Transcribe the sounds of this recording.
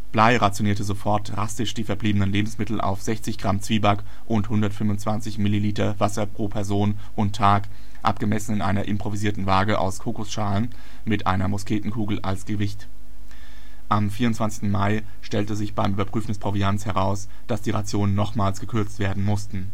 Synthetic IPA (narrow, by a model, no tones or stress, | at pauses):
b̥laɪʁat͡sjoniːɐtəzofɔɐt̚d̥ʁastɪʃd̥iːfɛɐbliːbənənleːbm̩smɪtl̩ʔa̰ʊfz̥ɛçt͡sɪçɡ̥ʁamt͡sv̥iːbak | ʔʊnthʊndɐtfʏmvʊnt͡sv̥ant͡sɪçmɪliliːtɐvasɐpʁ̥oːpʰɛɐzoːn | ʔʊntʰːaːk | ʔa̰pɡ̥əmɛsn̩ɪnʔa̰ɪnɐʔɪmpʁ̥oviziːɐtn̩vaːɡəʔa̰ʊskʰoːkʊsʃaːlən | mɪtʔa̰ɪnɐmʊskeːtn̩kʰuːɡl̩ʔa̰lsɡ̥əvɪçt | ʔamfiːɐʁʊntt͡sv̥ant͡sɪ̥çtn̩maɪ | ʃtɛltəzɪçb̥aɪmyːbɐpʁ̥yːfn̩dɛspʁ̥oviant͡shɛʁaʊs | d̥asd̥iːʁat͡sjoːnənːɔχmaːlsɡ̥əkʰʏɐt͡stv̥eːɐdn̩mʊstn̩